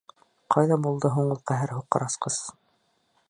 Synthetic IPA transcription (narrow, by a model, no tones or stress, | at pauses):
qɑjðɑbulˠd̪ɤɦuɴɤlˠqæɦæɾɦuqːɑ̆ɾɑsqɤz̥